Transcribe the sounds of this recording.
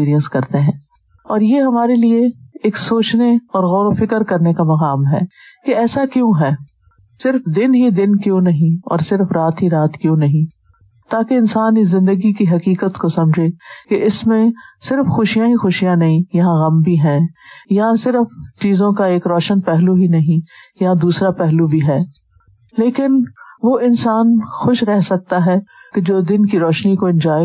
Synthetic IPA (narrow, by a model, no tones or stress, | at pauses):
iːɾijə̃nskɐɾt̪eɦɛ̃ː | ɔːɾjeɦɐmaːɾelieeːksoːt͡ʃneɔːɾɣɔːɾofɪkəɾkɐɾnekamɐqaːmɦɛ̰ː | keɛːsakjõːɦɛː | sɪɾfd̪ɪnɦid̪ɪnkjõːnɐɦĩɔ̰ːɾsɪɾfɾaːt̪ɦiɾaːt̪kjõːnɐɦĩ | t̪aːkeɪ̃nsaːnizɪ̃nd̪əɡikiɦɐkiːkət̪kosɐ̃md͡ʒʱekeɪsmẽsɪɾfxʊʃijãɦixʊʃijãnɐɦĩjɐɦãɣɐmbʱiɦɛ̃ːjɐɦãsɪɾəft͡ʃiːzõkaeːkɾɔːʃənpɛɦluɦinɐɦĩjɐɦãd̪uːsɾapɛɦlubʱiɦɛː | leːkɪnʋoːʔɪnsaːnxʊʃɾɛɦsɐk̚t̪aɦɛked͡ʒoːd̪ɪnkiɾɔːʃnikoɪ̃nd͡ʒaː